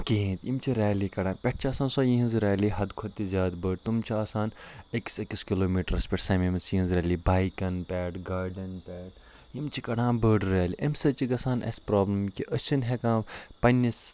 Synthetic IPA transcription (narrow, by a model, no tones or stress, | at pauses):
kiɦĩt̪imt͡ʃʰiɾɛːlikɐɽãːpʲɛʈ̚ʰt͡ʃʰiaːsãːnsoːjĩɦĩnzɾɛːliɦɐd̪kʰot̪ːizʲjaːd̪bəːɖ̚t̪umt͡ʃʰiaːsaːneki̥sekiskiloːmiːʈɐɾɐspʲeʈʰsɐːmimɐt͡sjĩinzɾɛːlibaːjkɐnpʲɛːʈɡaːɾɖɐnpʲɛːʈ̚ | jimt͡ʃʰikɐɽãːbəːɖɾɛːliʔɐmsɐt͡ʃiɡɐsaːnʔɐ̰spɾoːblɐmkiʔət͡ʃʰinɦekãːpɐnʲːis